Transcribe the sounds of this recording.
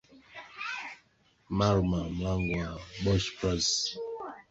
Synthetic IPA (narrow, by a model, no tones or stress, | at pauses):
maɾmam̩laŋɡaɓɔʃpɾas